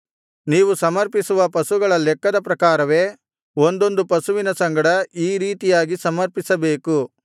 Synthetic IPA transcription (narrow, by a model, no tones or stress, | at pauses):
niːʋusɐmɐɾpisuʋɐpɐsuɡɐɭɐlɛkːɐd̪ɐpɾɐkaːɾɐʋeː | ond̪o̞nd̪upɐsuʋinɐsɐŋɡɐɽɐiːɾiːt̪ijaːɡisɐmɐɾpisɐbeːku